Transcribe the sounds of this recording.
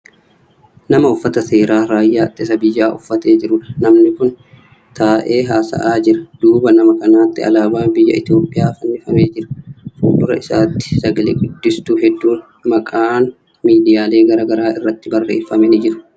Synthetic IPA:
nɐmɐʊfːɐt̪ɐse̞ːɾaːɾaːjːaːt̪ːɪsɐbɪjːaːʔʊfːɐt̪e̞ːd͡ʒɪɾʊᶑɐnɐmnɪkʊn | t̪aːʔe̞ːɦaːsɐ̰ʔaːd͡ʒɪɾɐd̪̥uːbɐnɐmɐkʼɐnaːt̪ːɪɐ̰laːbaːnbɪjːɐ̰ʔɪt̪jo̞ːpʼːɪjaːfɐnːɪfɐmeːd͡ʒɪɾɐ̥fuːbʊɾɐ̰ɪsaːt̪ːɪ̥sɐɡɐlḛːɡʊd̪ːɪst̪uːɦɛd̪ːuːn | mɐkʼaːn | miːd̪ɪjaːle̞ːɡɐɾɐɡɐɾaːɪrːɐt̪ːɪbɐrːeːfːɐmɛnɪd͡ʒɪɾʊ̥

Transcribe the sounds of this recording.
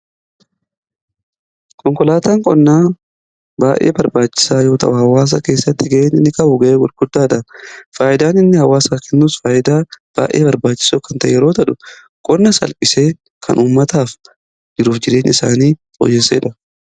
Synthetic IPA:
kɔŋkɔlaːt̪aːŋkʼɔnːaː | baːʔe̞̰ːbɐɾbaːt͡ʃːɪ̥saːjo̞ːt̪ɐ̰ʔʊhɐwaːs̬ɐke̞ːsːɐt̪ːɪɡɐʔeːnɪnːɪkɐʔʊɡɐʔeːɡʊɾɡʊd̪ːaːᶑɐfaːʔɪd̪aːnɪnːɪhɐwaːsaːkɛnːuːsfaːʔɪd̪aːb̥a̰ːʔe̞̰ːbɐɾbaːt͡ʃːɪ̥soːkɐnt̪ɐʔɛ̰jɛɾo̞ːt̪ɐᶑʊ | kʼɔnːɐsɐ̰lpʼɪse̞ː | kʰɐ̰nʔuːmːɐt̪aːf | d͡ʒɪɾuːfd͡ʒɪɾe̞ːnɪsa̰ːniːfʼɔ̰jːɛsːeːᶑɐ

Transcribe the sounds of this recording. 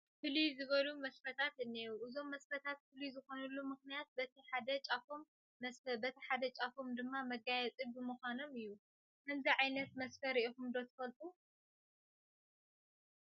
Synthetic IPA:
fɨlizɨβɐlumɐsfɐt̪ʰat̪ɨnːiuʔɨzo̞mːɐsfɐt̪ʰat̪̚fɨlizɨxo̞nɐlːumɨxnijat̪̚bɐt̪ʰiħad̪ɐt͡ʃʼafomː | ɐsɐbɐt̪ʰiħad̪ɐt͡ʃʼafo̞md̪ɨmːamɐɡajɛt͡sʼibɨmuxʷano̞mɨjːu | kʰɐnziʕajnɐt̪mɐsfɐɾiʔikumd̪ot̪ʰɨ̥fɐlt̪ʼu

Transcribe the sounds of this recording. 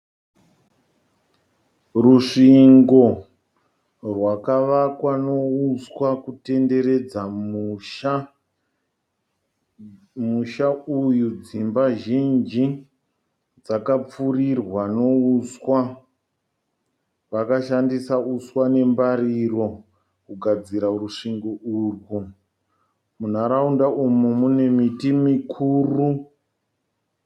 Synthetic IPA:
ruʂiŋɡo̞ | rwakaʋakwano̞uswakute̞nde̞ɾe̞d͡zama | muʃaujud͡zimbaʒind͡ʒi | d͡zakap͡furirwano̞uswa | ʋakaʃandisauswane̞mbariro̞ | kuɡʱad͡ziɾaruʂiŋɡouːrwu | mun̤aɾaundaʔumumune̞mitimikʰuːru

